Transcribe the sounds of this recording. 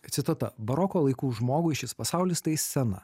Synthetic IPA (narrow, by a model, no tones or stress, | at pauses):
t̪sʲɪt̪ot̪ɐ̰bɐɾɔkoːlˠɐɪkuːʒmoːɡʊɪʃʲɪspɐsɑˑʊlʲɪst̪ɐɪsʲsʲɛnɐ̰